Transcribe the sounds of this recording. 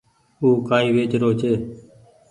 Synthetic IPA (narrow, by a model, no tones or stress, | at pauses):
uːkaːiːʋeːt͡ʃɾoːt͡ʃʰeː